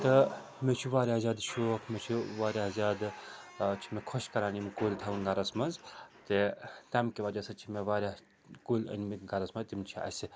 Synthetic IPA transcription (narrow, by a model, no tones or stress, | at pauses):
t̪ɨ | met͡ʃʰiʋaːɾʲjaːzʲaːd̪ʃoːkʰmet͡ʃʰiʋaːɾʲjaːzʲaːd̪ | t͡ʃʰi̥mekʰoʃkɐɾaːnimkuːlʲt̪ʰɐʋunɡɐɾɐsmɐnzt̪et̪ɐmkiʋɐd͡ʒɐsɐt͡ʃʰimeʋaːɾʲa | kuːlʲə̰nmiɡɐɾɐsmɐzt̪imt͡ʃʰiɐ̰si